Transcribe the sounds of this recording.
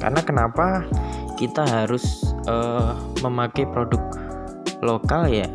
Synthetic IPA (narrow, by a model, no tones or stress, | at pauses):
ka̰rnakənapakit̪aɦaɾʊsʔəməmakajpɾodʊk̚ | lokalja